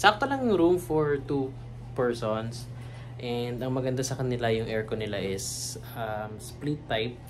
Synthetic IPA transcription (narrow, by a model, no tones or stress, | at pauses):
sɐak̚t̪olɐŋjʊŋɾumfɔɹt̪u | pɛɹsons | ʔɛnd̪ɐŋmɐɡɐnd̪asɐkɐnɪlajʊŋʔɛɹkonɪlaʔɪsamsplit̪ːajp̚